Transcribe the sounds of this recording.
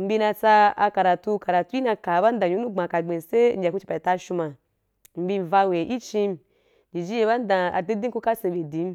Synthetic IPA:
m̩˦bi˧na˧t͡sa˧a˧ka˨ɾa˨tu˧ka˨ɾa˨tu˦i˦na˧ka˨ba˦n˦da˨ɲju˦u˦ɡ͡ba˨ka˨ɡ͡be˨se˦n̩˦d͡ʒʲa˨ku˦t͡ʃi˧pa˨i˨ta˧ʃu˧ma˨ | m̩˨˦bi˧˨va˧we˨ʔi˦t͡ʃi˧m | d͡ʒi˨d͡ʒi˦je˧˦ba˦n˦da˧a̰˧di˦di˦ku˦ka˦se˧be˨di˨˦m˦

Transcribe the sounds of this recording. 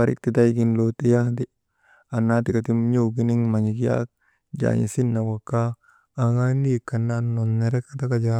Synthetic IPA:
aɾḭ˦k̚ti˦ta˦jɡi˦nloti˦jakdi | a˨nːa˦tika˨ti˦mɲo˦wɡi˦ni˦ŋma˨ɲi˨kja̰k̚ | d͡ʒa̰ɲḭ˨si˦nːa˨wa˨kːaː˦˨ | ŋa˦ni˦kːa˨nano˨nːe˨ɾɛ˦kata˦ka˦d͡ʒa

